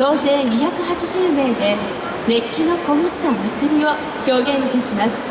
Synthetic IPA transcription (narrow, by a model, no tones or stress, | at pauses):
t̪o̞ːzẽ̞ɲʲiçakɯ̟hat͡ɕiʑɨːme̞ːd̪e̞ | me̞kʲːino̞ko̞mot̪ːamat͡sɨɾʲio̞ | ço̞ːɡẽ̞ɰ̃it̪aɕimasɨ̥